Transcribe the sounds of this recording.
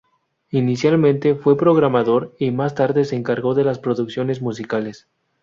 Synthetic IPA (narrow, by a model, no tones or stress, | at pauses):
inisjalmẽnt̪e̞fwe̞pɾo̞ɣɾamaðo̞ɾimast̪aɾðese̞ːŋkaɾɣo̞ðe̞laspɾo̞ðuksjo̞nezmus̬ikale̞s